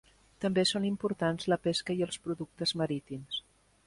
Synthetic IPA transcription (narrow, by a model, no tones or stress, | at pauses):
t̪əmbesonimpuɾt̪anzləpeskəiəlˠspɾuðuk̚t̪əzməɾit̪ims